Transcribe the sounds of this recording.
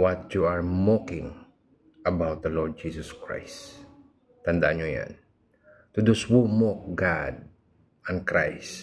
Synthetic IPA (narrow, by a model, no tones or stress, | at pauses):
wat̪juaɹmɔkɪ̃ŋ | ʔɐbawt̪̚d̪ɐlɔɹd̪̚d͡ʒisɔskɹa̰js | t̪ɐnd̪aʔaɲʊja̰n | t̪ʊd̪uswumɔɡad̪̚ | ãnkɾa̰js